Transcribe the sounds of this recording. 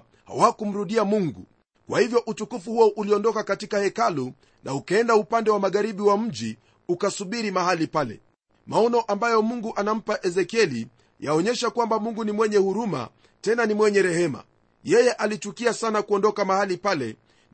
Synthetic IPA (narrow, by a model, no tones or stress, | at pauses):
ha̰wakum̩ɾuɗiamuŋɡṵ | kwʔahivjɔʔutukufuhuɔʔuliɔndɔkakatikahɛkalu | na̰ukaɛndaupandɛwamaɠaɾiɓiwam̩ʄi | ukasuɓiɾimahalipalɛ̰ | maɔnɔʔambajɔmuŋɡuʔanam̩paʔɛzɛkiɛli | jaɔɲɛʃakwambamuŋɡunimwɛɲɛhuɾuma̰ | tɛnanimwɛɲɛɾɛhɛma̰ | jɛjɛʔalit͡ʃukiasanakuɔndɔkamahalipalɛ̰